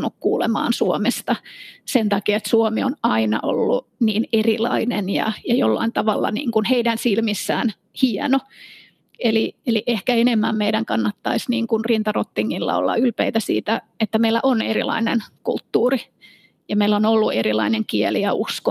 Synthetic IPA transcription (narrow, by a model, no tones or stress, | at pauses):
nːukkuːlemɑ̰ːnsuomest̪ɑsent̪ɑkiɑet̪suomionɑinɑ̰ʔo̰lːuniːnerilɑ̰inenjɑ̰jɑjolːɑ̰int̪ɑʋɑlːɑ̰nḭːŋkunheidænsilmisːæːn | hiɛno | elieliʔehkæenemːæmmeidæŋkɑnːɑt̪ːɑisniːŋkunrint̪ɑrot̪ːiŋːilːɑ̰o̰lːɑ̰ylpeit̪æsḭːt̪æet̪ːæmeilːæ̰ʔonerḭlɑ̰inenkṵlt̪ːuːri | jɑmeilːonolːuerilɑ̰ineŋkieliɑʔusko